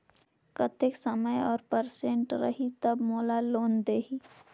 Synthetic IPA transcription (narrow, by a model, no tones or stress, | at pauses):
kɐt̪ʰɪksəməjɔːɾpəɾsẽɳʈɾɐ̰ɦit̪ɐbmoːlaloːnd̪eːɦiː